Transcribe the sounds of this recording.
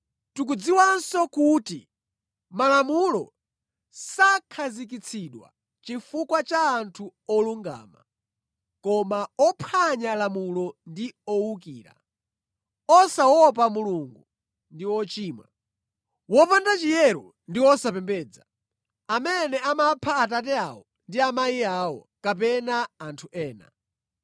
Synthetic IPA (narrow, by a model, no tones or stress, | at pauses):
tuk̬ud͡ziwansɔkuti | malamulɔ̰ | sakʰazik̬it͡sʰiɗwa̰ | t͡ʃifukwat͡ʃaːntʰuɔluŋɡa̰ːma̰ | kɔmaɔpʰaɲalamulɔndiɔwukiːɾa̰ | ɔsawɔp̬amuluŋɡu | ndiwɔt͡ʃiːmwa̰ | wɔpandat͡ʃijɛɾɔ | ndiwɔsapɛmbɛːd͡za | amɛnɛamapʰaːt̬at̬ɛa̰wɔ | ndiamaiawɔkap̬ɛnaːntʰuʔɛːna̰